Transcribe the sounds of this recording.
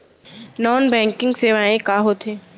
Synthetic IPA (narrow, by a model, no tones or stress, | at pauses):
nɔːnbɛ̃ːŋkɪ̃ŋɡseːʋaːẽkaːɦot̪ʰeː